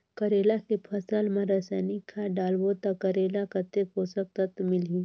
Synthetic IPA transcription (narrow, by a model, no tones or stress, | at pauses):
kɐɾeːlakepʰɐsəlmɐ̃ɾɐsaːnikʰaɖaːlbot̪akɐɾeːlakət̪ekoːsək̚t̪ət̪mɪlɦi